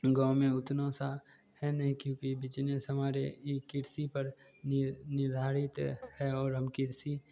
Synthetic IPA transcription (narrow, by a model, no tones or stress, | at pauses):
ɡãːʊmẽʊt̪nõsa | hɛnɐɦĩkjõːkibɪt͡ʃnesɦɐmaːɾḛkɪɾsipəɾ | nɪɾd̪ʱaːɾɪt̪hɛɔːɾɦɐmkɪɾsi